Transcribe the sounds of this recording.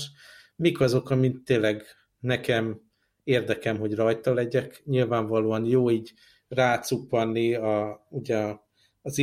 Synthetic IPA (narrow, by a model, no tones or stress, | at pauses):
ʃ | mikɒzo̞kɒmint̪ːeːlɛɡ | nɛkɛm | eːrd̪ɛkɛmɦo̞ɟrɒjt̪ɒlɛɟɛkɲilvaːɱvɒloːɒnjoːiːɟ | raːt̪supːɒnːiɒuɟɛː | zi